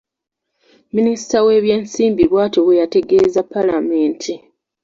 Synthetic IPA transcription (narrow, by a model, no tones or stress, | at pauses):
ministawe̞ːβjeːnsiːmbilwaːtoβejate̞ɡe̞ːzapːalame̞ːntʰi